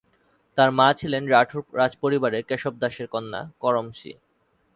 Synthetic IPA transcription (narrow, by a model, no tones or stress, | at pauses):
t̪aɾmat͡ɕʰilenɾaʈʰɾad͡ʑpoɾibaɾeɾkeʃob̚d̪aʃeɾkɔnːa̰kɔɾomʃḭ